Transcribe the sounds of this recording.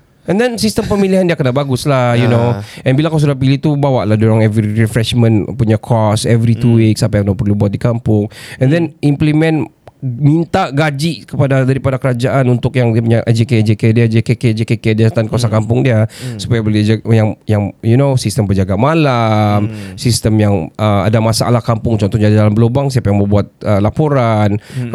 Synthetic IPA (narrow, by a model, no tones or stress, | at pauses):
ɛ̃ndɛnsist̪əmpəmiliɦandiakənabaɡʊslajunoɛ̃nbilakas̬udahpiliht̪ubawaʔladuɾaŋɛvɾiɾifɾɛʃmə̃npuɲakʰɔsɛvɾit̪uwiksapajaŋnopərlubuat̪̚dikampʊŋɛ̃ndɛnimplimɛ̃n | mint̪aʔɡad͡ʒiʔkəpadadaɾipadakəɾad͡ʒaʔanunt̪ʊkjaŋdiapuɲaʔd͡ʒeked͡ʒekediad͡ʒekeked͡ʒekekediast̪ankasakampʊŋdiasu̥pajabəluajaŋjaŋjunosist̪əmbəd͡ʒaɡamalamsist̪əmjaŋʔəa̰damasa̰ʔlahkampʊŋt͡ʃɔnt̪ɔɲadidalambəlobaŋsiapajaŋməbuat̪̚əlapoɾan